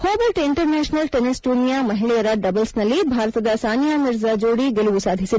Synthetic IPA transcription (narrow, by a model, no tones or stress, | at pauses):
hoːbɐɾʈɪɳʈəɾnɛːʃnɐlʈenɪsʈuːnijamɐɦɪɭijɐɾɐɖɐbɐlsnɐlibʱaːɾt̪ɐd̪ɐsaːnjamɪɾzad͡ʒoːɽiɡeluʋusaːd̪ʱisid̪